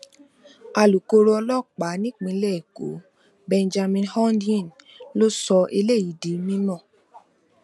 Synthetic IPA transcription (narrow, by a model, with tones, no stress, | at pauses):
a˧lu˨ko˧ɾo˧ɔ˧lɔ˦˨k͡pa˨˦nĩ˦k͡pĩ˨˧˦lɛ˦˨ko̰˨˦ | bɛ̃˧nd͡ʒa˧mĩ˧nhɔ˦n˦dĩ˦˨n | lo˦sɔ˧ʔe˧le˦˨ji˨di˨˦mĩ˦nɔ̃˦˨